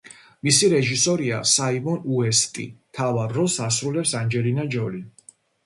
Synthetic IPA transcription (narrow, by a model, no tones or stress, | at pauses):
misiɾɛʒisɔɾia̰saimɔnuɛst̪ʼḭt̪ʰavaɾːɔsasɾulɛpsand͡ʒɛlinad͡ʒɔlin